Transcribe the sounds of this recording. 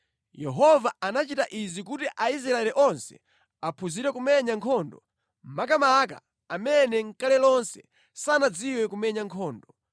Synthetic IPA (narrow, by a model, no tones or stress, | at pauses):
jɛɦɔvaanat͡ʃitaʔizik̬utiʔais̬ɾaɛliʔɔnsɛ̥̰ | apʰuziɾɛkumɛɲaŋkʰɔːndɔ̰ | m̩makamaka̰ | amɛnɛŋ̩kalɛlɔnsɛ̥ | sanad͡ziwɛkumɛɲaŋkʰɔːndɔ